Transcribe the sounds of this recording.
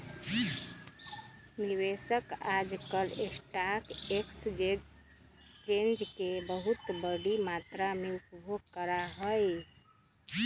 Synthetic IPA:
niʋesəkad͡ʒkəɾesʈakeksd͡ʒe | t͡ʃend͡ʒkebəɦut̪bəɽimat̪ɾameupbʱoɡkəɾaɦəj

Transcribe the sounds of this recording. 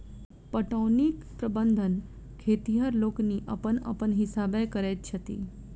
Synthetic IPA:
pəʈonik | pɾəbənd̪ʱən | kʰet̪iɦəɾloːkniʔə̰pənə̰pəɳɦɪsabekəɾett͡ʃʰət̪ḭ

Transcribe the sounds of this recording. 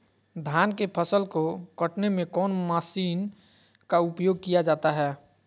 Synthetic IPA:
d̪ʱjaːnkepʰəsəlkokəʈnemẽkɔːnmaːsiːn | kaʊpjoːɡ̚kijad͡ʒaːt̪aɦɛː

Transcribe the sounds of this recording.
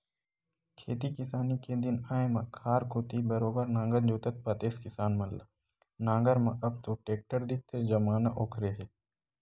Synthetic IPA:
kʰeːt̪ikɪsaːniked̪ɪnaːemãkʰaːɾkʰoːt̪ibɐɾoːbəɾnãːŋɡəd͡ʒoːt̪ət̪̚pɐt̪eːskɪsaːnmɐlːa̰ | nãːŋɡəɾmɐ̃ʔɐb̚t̪oʈeːk̚ʈəɾd̪ɪk̚t̪ʰed͡ʒɐmaːnaʔoːkʰɾeɦeː

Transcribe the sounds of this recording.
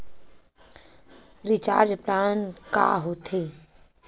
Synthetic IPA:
ɾɪt͡ʃa̰ːɾd͡ʒpɾaːnka̰ːɦoːt̪ʰeː

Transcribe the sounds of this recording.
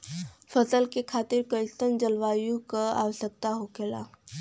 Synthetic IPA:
fʰəsəlkekʰaːt̪ɪɾkəɪst̪ənd͡ʒəlʋaːjũkaa̰ːʋəsək̚t̪aɦokeːla̰

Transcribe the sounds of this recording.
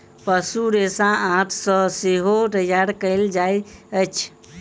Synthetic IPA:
pəsuɾesããt̪ʰsə̃seɦot̪əjaɾkəld͡ʒajət͡ʃʰ

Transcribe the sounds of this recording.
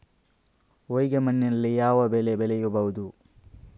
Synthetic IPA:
ojɡemɐnːinɐlːijaːʋɐbeːlebɛlɛjubɐɦud̪u

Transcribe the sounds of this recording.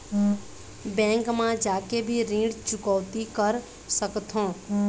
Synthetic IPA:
bɛ̃ːŋkmãd͡ʒaːkebʱiɾĩːɖt͡ʃʊkɔːt̪ikəɾ | səkt̪ʰõː

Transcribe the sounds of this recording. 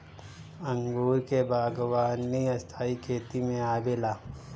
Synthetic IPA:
ɐ̃ŋɡuːɾkebaːɡʋaːnːiɐst̪ʰaːikʰeːt̪imẽaːbeːlaː

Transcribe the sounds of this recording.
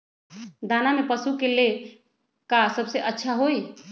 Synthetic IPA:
d̪anamepəsukele | kasəbseʔətːʃʰaɦoj

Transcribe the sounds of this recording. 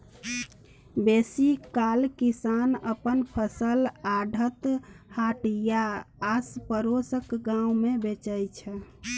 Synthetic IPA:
besikalkisanəpənpʰəsəlaɖʱət̪haʈjaːspəɾosəkɡãumebet͡ʃəjt͡ʃʰɛ

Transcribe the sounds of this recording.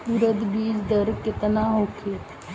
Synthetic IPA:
uɾəd̪biːd͡ʒd̪əɾkɪt̪naɦokʰit̪

